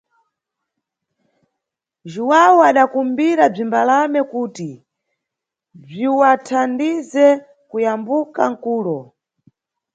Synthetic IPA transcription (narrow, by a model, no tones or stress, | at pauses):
ʒuwawuaɗakumbiɾab͡ʐimbalamɛkuːti | b͡ʐiwatʰandizɛ | kujambuka̰ŋ̩kuːlɔ